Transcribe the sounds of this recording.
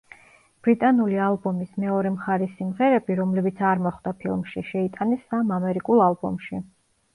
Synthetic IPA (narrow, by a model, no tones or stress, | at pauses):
b̥ɾit̪ʼanulialˠbɔmismɛɔɾɛmχaɾisimʁɛɾɛbiɾɔmlɛbit̪sʰaɾmɔχd̪apʰilˠmʃiʃɛit̪ʼanɛsːamamɛɾikʼulˠalˠbɔ̰mʃi